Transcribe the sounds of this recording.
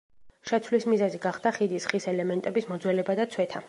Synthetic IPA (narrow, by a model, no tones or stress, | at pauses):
ʃɛt̪sʰwlismizɛziɡaχd̪aχid̪isχisɛlɛmɛnt̪ʼɛbismɔd̪zwɛlɛbad̪at̪sʰwɛt̪ʰa